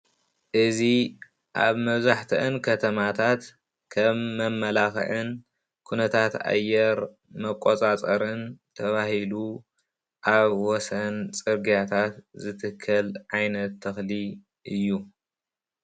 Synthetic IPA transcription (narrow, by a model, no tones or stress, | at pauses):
ʔɨzi | ʔa̰βmɐβzaħt̪ʰɨʔɨnkʰɐt̪ʰɐmat̪ʰat̪ | kʰɐmːɐmːɐlaxʕɨn | kʰunɐt̪ʰat̪a̰jːɛɾ | mɐkʼːot͡sʼat͡sʼɐɾɨnt̪ʰɐβahilu | ʔaβwɔsɐnt͡sʼɨɾɡijat̪ʰat̪zɨt̪ʰɨkʰːɐlʕajnɐt̪ʰːɐxli | ʔɨjːu